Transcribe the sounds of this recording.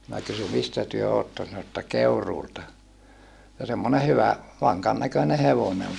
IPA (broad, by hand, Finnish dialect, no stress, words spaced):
minæ kysy mistæ tyø otːon̞ sɑno ĕtːæ keuruːltɑ jɑ semːone hyʋæ ʋɑŋkɑn nækøne heʋone ol